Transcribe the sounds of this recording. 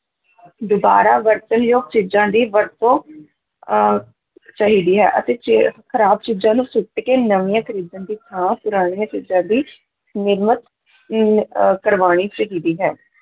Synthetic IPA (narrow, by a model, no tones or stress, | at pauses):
d̪ʊba̰ːɾaːʋəɾt̪ənjoːɡ̚t͡ʃiːd͡ʒãːd̪iːʋəɾt̪õː | t͡ʃaːɦiːd̪iːɦɛ̰ːʔət̪eːt͡ʃkʰəɾaːb̚t͡ʃiːd͡ʒãːnũːsʊʈkeːnəʋiːãːkʰəɾiːd̪ãːd̪iːt̪ʰãːpʊɾaːɽ̃ijãːt͡ʃiːd͡ʒãːd̪iː | nɪɾmət̪ | kəɾʋaːɽ̃iːt͡ʃəɦiːd̪iːɦɛː